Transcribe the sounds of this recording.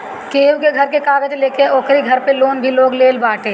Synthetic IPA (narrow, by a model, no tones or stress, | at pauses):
keːwkeɡʱɐɾkekaːɡəd͡ʒleːkeɔːkʰɾiɡʱɐɾpeloːnbʱiloːɡleːlbaːʈeː